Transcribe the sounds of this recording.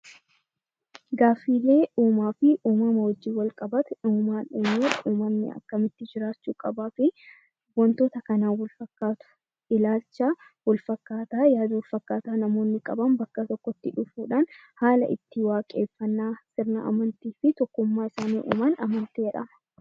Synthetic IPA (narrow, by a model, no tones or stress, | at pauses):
ɡaːfːiːlːe̞ːʔuːmaːfɪʔuːmɐmɐwɔd͡ʒːiːwɐlkʼɐbɐt̪ɛuːmaːnɪnːuːᶑɐʔuːmɐmnɪ̰ɐ̰kːɐmɪt̪ːɪd͡ʒɪɾaːt͡ʃːuːkʼɐbaːfɪ | bɔnt̪o̞ːt̪ɐkɐnaːwɔlfɐkːaːt̪ʊ̥ | ɪlaːlt͡ʃːaː | wɔlfɐkːaːt̪aːjaːd̪ɐwɔlfɐkːaːt̪aːnɐmo̞ːnːɪkʼɐ̰bɐmbɐkːɐt̪ɔkːɔt̪ːɪᶑʊfuːᶑaːn | haːlɐ̰ʔɪ̰t̪ːɪwaːkʼe̞ːfːɐnːaːsɪɾnɐ̰ɐ̰mɐnt̪iːfɪt̪ɔkːʊmːaːɪsaːnḭːʔṵːmɐnɐmɐnt̪iɛᶑɐ̰mɐ